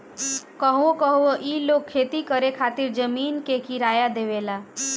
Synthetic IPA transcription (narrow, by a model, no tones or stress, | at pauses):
kəɦuõkəɦuoʔilokʰːet̪ikəɾekʰat̪iɾd͡ʒəminkekiɾajad̪eʋela